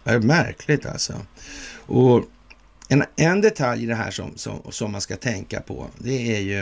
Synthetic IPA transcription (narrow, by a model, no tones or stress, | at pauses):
mæɾkʰlɪt̪ʰa̰lsɔ̰ | ʔɔ | ɛnɛnd̪ɛt̪ʰaljːɪd̪ɛɦæ̰ːʂɔ̰msɔ̰msɔmːanskat̪ʰɛŋkapʰɔ̰d̪ɛæjɵ